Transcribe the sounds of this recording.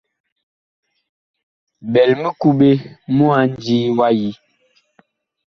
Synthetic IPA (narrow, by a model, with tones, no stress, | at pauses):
bɛ˨lmi˦ku˦ɓe˦mu˦a˨˦n˦d͡ʒiː˦wa˦ji˦